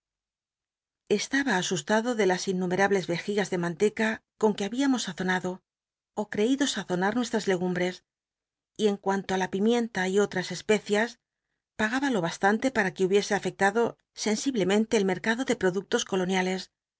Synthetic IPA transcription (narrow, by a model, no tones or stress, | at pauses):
e̞st̪aβaːsust̪aðo̞ðe̞lasinːume̞ɾaβle̞zβe̞xiɣazðe̞mãnt̪e̞kako̞ŋke̞aβiamo̞sːaθo̞naðo̞ | okɾe̞iðo̞saθo̞naɾnwe̞st̪ɾazle̞ɣ̞umbɾe̞s | ie̞ŋkwant̪o̞alapimjẽ̞nt̪aio̞t̪ɾase̞spe̞θjas | paɣ̞aβalo̞βast̪ant̪e̞paɾake̞uβje̞se̞afe̞k̚t̪aðo̞ | se̞nsiβle̞mẽnt̪e̞ːlme̞ɾkaðo̞ðe̞pɾo̞ðuk̚t̪o̞sko̞lo̞njale̞s